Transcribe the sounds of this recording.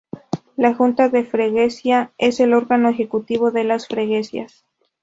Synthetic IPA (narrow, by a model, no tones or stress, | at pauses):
laxunt̪aðe̞fɾeɣe̞sjae̞se̞lo̞ɾɣano̞exe̞kut̪iβ̞o̞ðe̞lasfɾeɣesja̰s